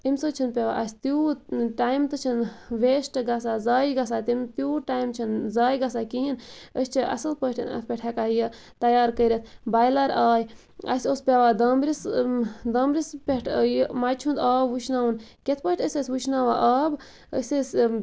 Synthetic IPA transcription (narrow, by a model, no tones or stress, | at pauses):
imʲsɐt͡ʃʰɐnpʲeʋa̰ʔɐsʲt̪juːʈaːjmt̪ɨt͡ʃʰɐnʋeːsʈɨɡɐsaːzaːjɡɐsaːt̪imt̪juːʈaːjmt͡ʃʰɐnzaːjɡɐsaːkiinəsʲt͡ʃʰiʔɐ̰sɐlpəʈʰnɐ̰pʲeʈʰekaːjə | t̪ɐjaːɾkəɾʲɐt̪ʰbaːjlɐɾaːj | ɐ̰sʲospʲeʋaːd̪ɐːmbɾisd̪ɐːmɾispʲeʈʰjmajt͡ʃʰund̪aːbʋuʃʰnaːwunkʲet̪ʰpəʃʈʰʲəsʲəsʲʋuʃnaːʋaːʔaːb | ə̰sʲəsʲ